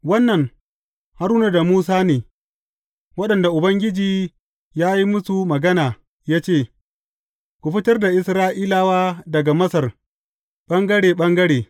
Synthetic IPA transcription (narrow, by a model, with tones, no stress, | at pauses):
wɐ˦nːɐ˨ŋ | ha˦ɾuː˦na˦da˨muː˦s̬aː˦neː˨ | wɐ˦ɗɐ˨nda˨ʔʊ˨bɐ˦ŋɡʲɪ˦d͡ʒiː˨ | jaː˦ji˦mʊ˦su˨mɐ˨ɡɐ˦naː˨ | jaː˦t͡ʃeː˦˨ | kʷu˨ɸɪ˦tɐ˦rda˨ʔɪ˨sɾaː˦ʔiː˦laː˦waː˦dɐ˨ɡa˨mɐ˦sɐ˨r | ɓɐ˦ŋɡɐ˦ɽeː˨ɓɐ˦ŋɡɐ˦ɽeː˨